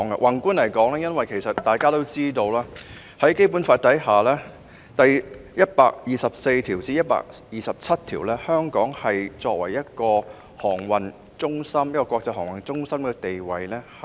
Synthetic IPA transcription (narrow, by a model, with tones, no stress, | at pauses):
ŋɐ̰˧˨wʔɐ˨˩nkuː˥nlɐ˨˩jkɔː˨˥ŋlɛː˥jɐ˥nwɐ˨jkʰe˨˩jsɐ˨t̚t̪ːaː˨˩jkaː˥t̪o˥wt͡siː˥t̪o˧wlaː˥ | hɐ˨˥jke˥jp̬uː˨˥nfaː˧t̚t̪ɐ˨˥jɦaː˨lɛː˥ | t̪ɐ˨jjɐ˥t̚paː˧k̚jiː˨sɐ˨p̚se˧jt̪ʰiː˨˩wt͡siː˧˥jɐ˥t̚pa̰ː˧k̚jiː˨sɐ˨p̚t͡sʰɐ˥t̚t̪ʰiː˨˩wlɛː˥hœː˥ŋkɔː˨˥ŋhɐ˨jt͡sɔː˧k̚wɐ̰˨˩jjɐ˥t̚kɔː˧ | hɔː˨˩ŋwɐ˨n | t͡sʊ˥ŋsɐ˥mjɐ˥t̚kɔː˧kʷwɔː˧k̚t͡sɐ˧jhɔː˨˩ŋwɐ˨˩nt͡sʊ˥ŋsɐ˥mkɛː˧t̪e˨jwɐ˨˩jlɛː˥h